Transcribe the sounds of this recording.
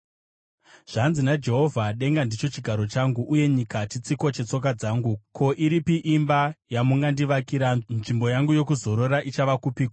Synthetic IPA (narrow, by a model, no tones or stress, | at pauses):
ʐ̥anzinad͡ʒe̞ɦo̞vʱaɗe̞ŋɡandit͡ʃo̞t͡ʃiɡʱaɾo̞t͡ʃaŋɡuʔːje̞ɲikat͡ʃit͡siko̞t͡ʃe̞t͡so̞k̬ad͡zaːŋɡukʰo̞ʔiɾipiʔimbajamuŋɡandiʋakiɾanʐimbo̞jaŋɡujo̞kuzo̞ɾo̞ɾaʔit͡ʃaʋakupik